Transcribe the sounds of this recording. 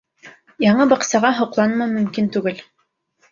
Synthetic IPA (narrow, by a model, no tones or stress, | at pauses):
jɑɴɤbɑqsɑʁɑɦŏqlˠɑnmɑmɵ̆mkint̪ʉɡɘl